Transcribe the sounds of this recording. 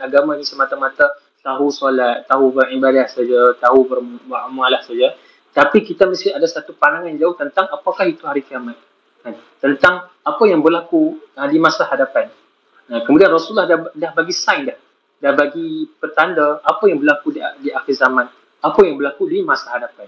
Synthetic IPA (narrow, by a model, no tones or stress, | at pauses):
aɡamãinĩsəmat̪amãt̪a | t̪aɦusolat̪̚ːaɦubəribadat̪sad͡ʒat̪aɦubərbaʔmalahsad͡ʒa | t̪apikit̪aməst̪iadasat̪upaɾaŋãnd͡ʒaʊht̪ənt̪aŋapakahit̪uhaɾikiamat̪̚ | kan | t̪ənt̪aŋ | apajaŋbərlakuadimãsahadapan | akəmũdianrɔsulahdadahbaɡisajndah | dahbaɡipərt̪andaʔapajaŋbərlakuddiʔaxɪlzamãn | apajaŋbəlakudimãsahadapan